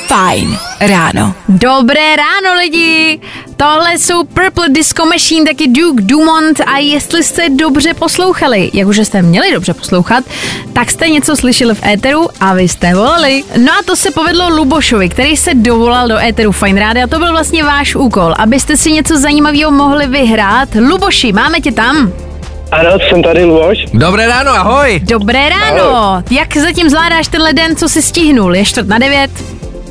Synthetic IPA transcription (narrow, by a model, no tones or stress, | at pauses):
fajnɾa̰ːno̰do̞bɾɛːɾaːno̞lɪɟɪt̪o̞ɦlɛso̞wpɛɾpl̩dɪsko̞maʃiːnt̪akɪduːkduːmo̞nt̪ajɛst̪lɪst̪ɛdo̞br̝ɛpo̞slo̞wxalɪjʔakuʒʒɛst̪ɛmɲɛlɪdo̞br̝̥ɛposlo̞wxat̪ːakst̪ɛɲɛt͡so̞slɪʃɛlɪfʔɛːt̪ɛɾuʔavɪst̪ɛvo̞lalɪno̞ʔat̪o̞sɛpo̞vɛdlo̞lubo̞ʃo̞vɪkt̪ɛɾiːjsɛdo̞vo̞laldo̞ʔɛːt̪ɛɾufajnɾaːdɪat̪o̞bɪlvlast̪̚ɲɛvaːʃʔuːko̞lʔa̰bɪst̪ɛsɪɲɛt͡so̞zajiːmaviːɦomo̞ɦlɪvɪɦɾaːt̪lubo̞ʃɪmaːmɛcɪt̪am | ʔanotsɛmt̪adɪluboʃdobɾɛːɾaːnoaɦojdo̞bɾɛːɾaːnojakzacɪmzvlaːdaːʃt̪ɛnlɛdɛnt͡so̞sɪscɪɦnuljɛʃt̪vrt̪nadɛvjɛt̪